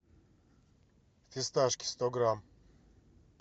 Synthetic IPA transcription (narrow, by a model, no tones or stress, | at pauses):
θist̪aːʃki̥st̪oɡɾam